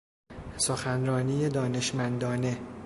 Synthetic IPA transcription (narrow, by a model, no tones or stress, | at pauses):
soxænɾɒːniːjed̪ɒːne̞ʃmænd̪ɒːne̞